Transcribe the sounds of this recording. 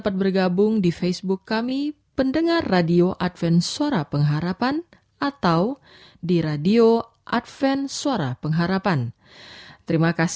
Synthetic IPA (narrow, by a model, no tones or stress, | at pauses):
pat̪̚bərɡabʊŋdifɛsbʊkːami | pəndəŋarːadioʔat̪̚fɛnsuaɾapəŋɦaɾapan | at̪aw | diɾadio | ʔat̪fɛnsuaɾapəŋɦaɾapan | t̪əɾimakas